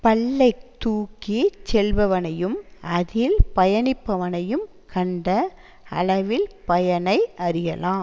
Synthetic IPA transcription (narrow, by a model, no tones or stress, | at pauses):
pɐlːɐɪt̪uːkːit͡ʃɛlʋɐʋɐnɐjɯmɐðɪlpɐjɐnɪpːɐʋɐnɐjɯm | kʰɐɳɖɐ | ɐ̰ɭɐʋɪlpɐjɐnɐɪʔɐɾɪjɐlãːm